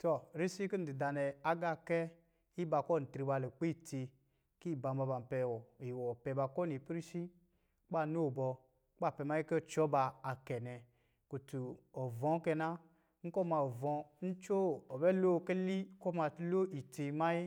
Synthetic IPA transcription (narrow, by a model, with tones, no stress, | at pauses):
tɔ˨ɾi˦si˦ki˦n̩˦di˨da˨nɛ˨a˦ɡa˦˨kɛ˦ | i˦ba˨kɔ˦˨n̩˨tɾi˨ba˨lo˨k͡pe˦˨te˧ | ki˦˨ba˨mba˨ba˨m˨pɛ˨wɔ˨i˨wɔ˨pɛ˨ba˨kɔ˦ni˨pɾi˦si˦ | k͡pa˦˨no˦˨bɔ˧˦ | k͡pa˦˨pɛ˨ma˦ji˦kɛ˦˨t͡ʃɔ˦baː˧˨kɛ˨nɛ˨ | ko˨tu˨ɔ˨vɔ̃˨˦kɛ˧na˦ | ŋ̩˦kɔ˦ma˨ɔ˨vɔ̃˧n̩˦t͡ʃo˦ɔ˨bɛ˦lo˦˨kɛ˦li˦kɔ˦ma˨˦lo˦i˨te˧ma˦ji˦